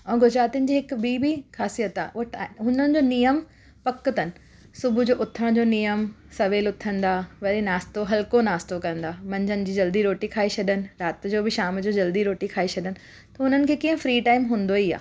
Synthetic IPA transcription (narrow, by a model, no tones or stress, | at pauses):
ũːɡʊd͡ʑɾaːt̪iʊ̃nɪ̆d͡ʑiːɦɪkbiːbixaːsijət̪aːʔɦʊnənɪ̆d͡ʑoːnijəm | pɐkt̪ənɪ̆ | sʊbʊd͡ʑoːʔʊt̪ʰəɽ̃d͡ʑoːnijəm | sɐʋeːlʊt̪ʰə̃nd̪aːʋɐɗenaːst̪oɦɐlkonaːst̪okɐɾə̃nd̪aːmɐ̃ɲd͡ʑʱənɪ̆d͡ʑiːd͡ʑɐld̪iɾoːʈikʰaːesɐɗənɪ̆ɾaːt̪̆d͡ʑoːbɪʃaːmd͡ʑoːd͡ʑɐld̪iɾoːʈikʰaːesɐɗənɪ̆ | t̪ɐʊn̤ənɪ̆kʰeːkĩɦə̃fɾiːʈaːɪmɦũːnd̪oia̰ː